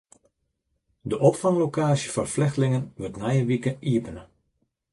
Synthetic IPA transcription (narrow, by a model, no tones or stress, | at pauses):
dəʔɔpfaŋlokaːsjəfɔrflɪxtəlɪŋənʋɵtnɛjəʋikəniəpənə